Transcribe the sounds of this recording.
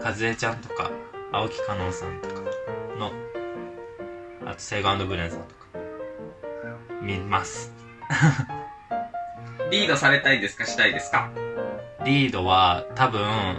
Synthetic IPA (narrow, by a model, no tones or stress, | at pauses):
kazɨe̞t͡ɕãnt̪o̞ka̰aokʲi̥kano̞ːsãnt̪o̞̥kḁno̞ | a̰t̪o̥seɡãnd̪o̞ɡɯ̟ɾẽ̞ɰ̃sa̰t̪o̞̥kḁ | mʲimasɨ̥ | ɾʲiːd̪o̞saɾe̞t̪aid̪e̞sɨ̥kaɕi̥t̪aid̪e̞sɨ̥ka | ɾʲiːd̪o̞βat̪abɯ̟̃